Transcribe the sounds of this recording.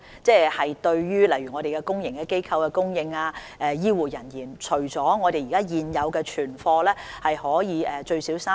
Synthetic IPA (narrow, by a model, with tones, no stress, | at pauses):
t͡sɛː˥˩hɐ˨jt̪ɵ˧ɥjyː˥lɐ˨˩jɥyː˨˩ŋɔː˨˧ɾe˨jkɛ˧kʊ˥ŋjɪ˨˩ŋkɛ˧ke˥jkʰɐ˧wkɛː˧kʊ˥ŋjɪ˧ŋaː˧ | ɛː˧jiː˥wuː˨˩jɐ˨˩njiː˨˩nt͡ʃʰɵ˨˩ɥt͡sɔː˨˥ŋɔː˨˧ɾe˨ji˨kaː˥jiː˨njɐ˨˧wkɛː˧t͡ʃʰyː˨˩nfɔː˧lɛː˥hɐ˨jhɔː˨˥jiː˨˧ʔɛː˨t͡ʃɵ˧ɥsiː˨˥wsaː˥